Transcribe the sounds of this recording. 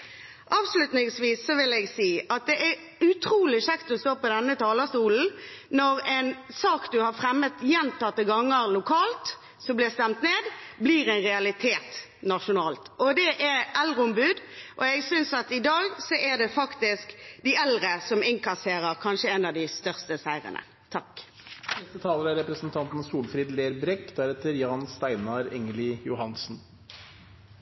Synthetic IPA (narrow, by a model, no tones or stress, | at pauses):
ʔɑːʋslʉt̪nɪŋsʋiːsːɔʋɪlɛɡsiːʔɑt̪̚d̪ɛʔæɾ | ʉt̪ʰɾuːlɪʃɛkt̪ɔst̪oːpɔd̪ɛnːət̪ʰɑːləst̪uːln̩nɔʁɛɪnsɑːkd̪ʉhɑɾfʁɛmːət̪jɛnt̪ɑt̪ːəɡɑŋːəʁlʊkʰɑːlt̪ | sɔmblɪst̪ɛmt̪neːd̪bliːɾɛɪnʁɛɑlɪt̪ʰeːt̪ | nɑʂʊnɑːlt̪ʔɔd̪ɛʔɛɾɛlʁəʊmbʉːd̪ʔɔɛɡsʏnsɑt̪ɪd̪ɑːɡsɔʔæd̪ɛfɑkt̪ɪskd̪ɪʔɛlʁəsɔmɪŋkɑseːʁəʁkʰɑnʃəɛnɑd̪ɪst̪œʁst̪əsæɪʁə̰nə̰ | t̪ʰɑk | nɛst̪ət̪ʰɑːləɾæɾɛpɾəsn̩t̪ʰɑnt̪n̩suːlfɾiːd̪leːɾbɾɛkːd̪æɾɛːt̪əɾjɑːnst̪æɪnɑɾɛŋəlɪjʊhɑnsn̩